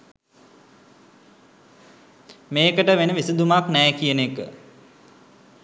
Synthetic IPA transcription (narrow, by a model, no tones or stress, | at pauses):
meːkəʈəʋenəʋisid̪umaknɛjkijənekə